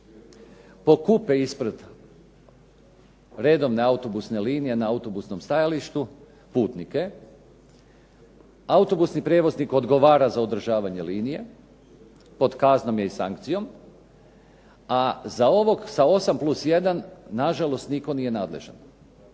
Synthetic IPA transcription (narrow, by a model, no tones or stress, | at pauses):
po̞kupeispɾ̩d̪ | ɾe̞d̪o̞ʋne̞aut̪o̞busne̞liːnije̞naaut̪o̞busno̞mst̪ajaliʃt̪u | puːt̪nike̞ | aut̪o̞busnipɾeʋo̞zniko̞d̪ɡo̞ʋaːɾazaod̪r̩ʒaːʋaɲe̞liːnije̞ | po̞d̪kaːzno̞mjeisaŋk̚t̪sijo̞m | azao̞ʋo̞ɡsao̞samplˠusje̞d̪anːaʒalo̞st̪niko̞nije̞naːd̪le̞̰ʒa̰n